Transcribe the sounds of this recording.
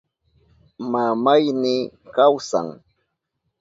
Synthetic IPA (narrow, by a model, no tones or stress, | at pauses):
mamajnɪkawsa̰ŋ